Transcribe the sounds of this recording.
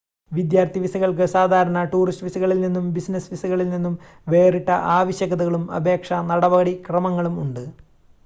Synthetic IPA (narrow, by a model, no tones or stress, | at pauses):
ʋid̪jaːrt̪iʋisɐɣɐɭk̬ɨsaːd̪ʱaːɾɐnɐʈuːrisʈʋisuɣɐɭilninːumbisnɐsʋisɐɣɐɭilninːum | ʋe̞ːriʈːɐʔaːʋɐɕjɐɣɐðuɣɐɭumɐ̰bʱe̞ːkʂɐnɐɽɐʋɐɣɐɽikrɐmɐŋːɐɭumuɳɖɨ